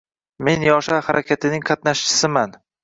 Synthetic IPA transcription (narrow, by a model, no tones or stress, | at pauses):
me̞njɒʃahaɾʔakʲʰat̪ʰɪnɪŋqʰɑt̪naʃt͡ʃʰɪ̥sɪman